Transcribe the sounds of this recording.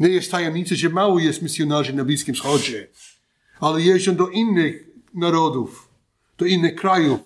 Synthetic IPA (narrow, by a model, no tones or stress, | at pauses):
nʲɛjɛst̪ajɛmɲʲisɛʒɛmawɔjɛst̪misjɔnaʐɪnablʲiskʲimsxɔd͡ʑɛ | alɛjɛzɔnd̪ɔʔinːɪxnaɾɔd̪uf | d̪̥ɔinːɪxkɾaju